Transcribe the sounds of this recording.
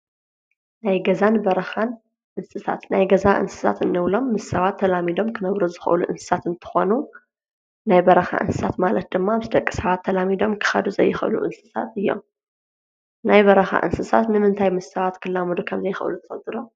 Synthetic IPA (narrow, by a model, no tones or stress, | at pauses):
najɡɐzanbɐɾɐxan | ʔɨnsʼɨsʰa̰t̪najɡɐzaʔɨ̰nsɨ̥sa̰t̪ɨnːɨβlo̞mːɨsːɐβat̪ʰːɐlamid̪o̞mkʰɨnɐβɾuzɨxʔɨ̰luʔɨ̰nsɨ̥sat̪ɨnt̪ʰɨ̥xo̞nu | najbɐɾɐxa̰ʔɨ̰nsʼɨsat̪malɐt̪̚d̪ɨmːamsɨd̪ɐkʼːi̥sɐβat̪ʰːɐlamid̪o̞mkʰɨ̥xɐ̰d̪uzɐ̰jːɪxɨ̰lṵʔɨnsʼɨ̥sa̰t̪ɨjːo̞̰m | najbɐɾɐxa̰ʔɨ̰nsɨsa̰t̪nɨmɨnt̪ʰajmɨsːɐβat̪kʰɨlːamud̪ukʰɐmzɐjɪxʔɨ̰lut̪ʰɨfɐt̪ʼːɨɾo